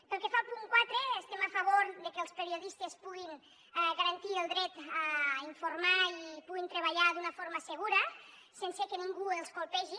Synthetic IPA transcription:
pəlˠkefalˠpuŋkwat̪ɾeːst̪eməfəβoɾðəkəlˠspəɾiuðist̪espuɣin | ɛɣəɾənt̪iəlˠd̪ɾɛt̪aiɱfuɾmaipuɣint̪ɾəβ̞əʎaðunɐfoɾməsəɣ̞uɾə | sensekəniŋɡuelˠskolˠpɛʒi

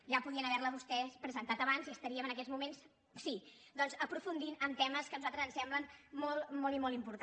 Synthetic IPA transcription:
ʒapuðiənəβɛɾləβust̪ɛspɾəzənt̪at̪əβanziəst̪əɾiəmənəkɛzmumens | sid̪ɔnzəpɾufund̪inəmt̪ɛməskənuzalˠt̪ɾəzənsɛmblənmɔlˠmɔlˠimɔlˠimpuɾt̪

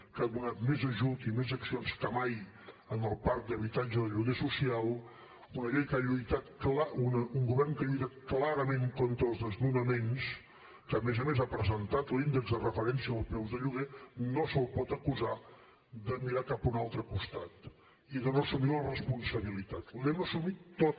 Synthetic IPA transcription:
kaðunat̪mezəʒut̪imezəksionskəmaj | ənəlˠpaɾk̚d̪əβit̪ad͡ʒəðəʎuɣesusialˠ | unəʎejkəaʎujt̪at̪̚klaunəuŋɡuβɛrŋkaʎujt̪at̪̚klaɾəmẽŋkont̪ɾəːlˠzðəznunəmens | kəːmezəmezapɾəzənt̪at̪lind̪əɡzðərəfəɾɛnsiəəlˠpɛwzðəʎuɣ̞enosəlˠpɔt̪əkuza | d̪əmiɾakapunalˠt̪ɾəkust̪at̪ | iðənosumilrəspunsəβilit̪at̪lɛməsumit̪ːot̪

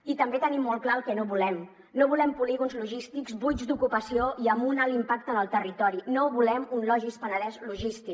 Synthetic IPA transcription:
it̪əmbet̪ənimːolˠklaəlˠkɛnoβulɛm | noβulɛmpuliɣunzluʒist̪ikzbujzd̪ukupəsioiəmunalimpak̚t̪ənəlˠt̪ərit̪ɔɾinoβulɛmunlɔʒispənəlɛzluʒist̪i

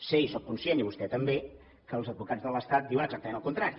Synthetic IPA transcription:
seisok̚kunsieniβust̪ɛt̪əmbe | kəlˠzəd̪̚βukad͡zðələst̪at̪̚d̪iwənəɡzak̚t̪əmẽñəlˠkunt̪ɾaɾi

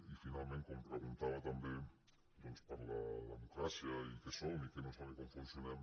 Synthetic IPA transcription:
ifinalmenŋ̚kompɾeɣ̞unt̪aβat̪ambe | d̪onspaɾlalemukɾasjaikesonikenosaβekoɱfunsjonem

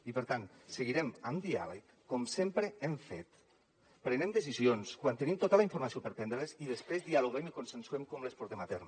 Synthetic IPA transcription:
ipəɾt̪anseɣiɾemamd̪ia̰lekːomsempɾeeɱfḛt̪ | pɾenemd̪es̬izionskwant̪enimt̪ot̪alaiɱfuɾmasiopeɾpɛnd̪ɾeeziðespɾezðialoɣemikonsensuemkomlespɔɾt̪emat̪ɛɾm

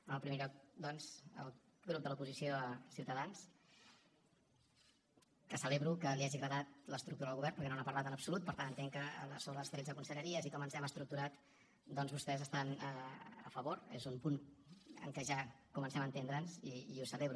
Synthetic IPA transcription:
ənəlˠpɾimeʎɔk̚d̪ɔnzə̰lˠ | ɣɾup̚d̪əlupuzisiosiuwt̪əðans | kəsəleβɾukəliaʒiɣɾəðat̪̚ləst̪ɾukt̪uɾəðəlɣuβɛɾrnpəɾkɛnonapəɾlat̪ənəpsulut̪̚pəɾt̪anənt̪eŋkəsoləst̪ɾenzðəkunsəʎəɾiəzikɔmənzɛməst̪ɾuk̚t̪uɾat̪ | d̪ɔnzβust̪ɛzəst̪an | ə̰fəβoɾḛzumpunə̰ŋkɛʒa | kumənsɛmənt̪end̪ɾənziːusəleβɾu

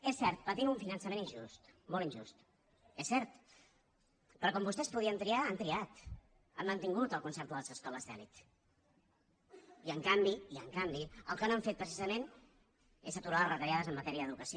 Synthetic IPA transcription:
esːɛɾt̪̚pət̪iuɱfinənsəmeninʲʒust̪molˠinʲʒust̪ | esɛɾt̪ | pɾɔkɔmbust̪ɛspuðiənt̪ɾiaant̪ɾiat̪ | əmːənt̪iŋɡut̪əlˠkunsɛɾt̪uðəlˠzəskɔləzðɛ̰lḭt̪ | iəŋkambiiəŋkambiəlˠkənoaɱfet̪̚pɾəsizəmen | ezət̪uɾaðərət̪ɾjaðəzəmːət̪ɛɾiəðukəsio

